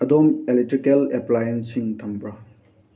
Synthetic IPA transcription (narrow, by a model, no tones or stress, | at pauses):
ɐdomeletɾikeleplajensiŋt̪ʰɐmbɾɐ